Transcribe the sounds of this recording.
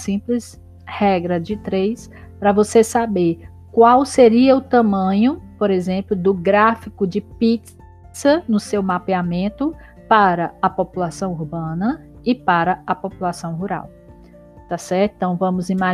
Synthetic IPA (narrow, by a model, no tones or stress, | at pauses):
sĩplɪs | hɛɡɾɐd͡ʒɪt̪ɾejs | pɾɐvosesabeɾ | kwawseɾiɐʊt̪ɐ̃mɐ̃ɲʊpoɾezẽmplʊd̪ʊɡɾafikʊd͡ʒɪpit | sɐnʊsewmapeamẽnt̪ʊ | paɾɐɐpopulasɐ̃w̃uɾbɐ̃nɐ | ɪpaɾɐɐpopulasɐ̃w̃ɦuɾa̰w | t̪asɛɾt̪t̪ɐ̃w̃vɐ̃mʊzima